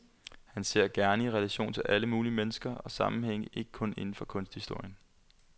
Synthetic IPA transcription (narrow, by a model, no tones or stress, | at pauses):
hænse̝ɐ̰ɡ̥æɐnəiʁɛlæɕo̝̰ːnt͡sʰe̝lʔæləmuːlimenəsɡ̥ɐɒ̽sɑ̈mm̩ɦeŋ̰əʔe̝ɡ̥ə̥kʰɔ̽ne̝nn̩fɒ̽kʰɔ̽nsd̥hisd̥o̝ɐ̰jən